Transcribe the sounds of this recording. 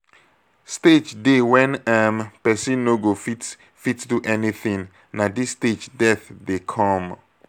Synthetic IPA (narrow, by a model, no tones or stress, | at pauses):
sted͡ʒdewɛ̃nɛmpɛsĩnːoɡofit | fitduʔɛniθĩŋ | nadisted͡ʒdɛθdekʰɔ̃m